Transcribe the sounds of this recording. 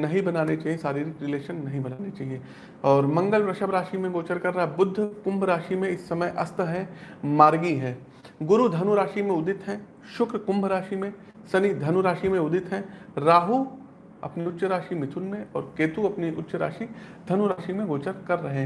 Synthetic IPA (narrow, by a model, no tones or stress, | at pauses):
nɐɦĩbɐnaːnet͡ʃaːɦiẽsaːɾiɾiɾɪleːʃənːɐɦĩbɐnaːnet͡ʃaːɦiẽ | ɔːɾmɐ̃ŋɡəlpɾɐʃəbɾaːʃimẽɡoːt͡ʃəɾkɐɾːaːɦɛbʊd̪ʱːəkʊ̃mbʱɾaːʃimẽɪsːɐməjʔɐst̪ɦɛ̃maːɾɡiɦɛː | ɡʊɾud̪ʱɐnuɾaːʃimẽʊd̪ɪt̪ɦɛ̃ | ʃʊkɾkʊ̃mbʱɾaːʃimẽ | sɐnid̪ʱɐnuɾaːʃimẽʊd̪ɪt̪ɦɛ̃ɾaːɦu | ɐ̰pniʊtːʃəɾaːʃimɪt̪ʰʊnmẽɔ̰ːɾkeːt̪uɐpniʔʊtːʃəɾa̰ːʃi | d̪ʱɐnuɾaːʃimẽɡoːt͡ʃəɾkɐɾːɐɦeɦɛ̃